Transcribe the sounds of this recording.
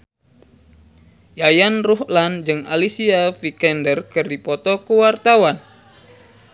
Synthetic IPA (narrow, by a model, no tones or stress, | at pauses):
jajanruɦland͡ʒɨŋa̰lisiafikɛndərkɨrdipɔt̪ɔkəwart̪awan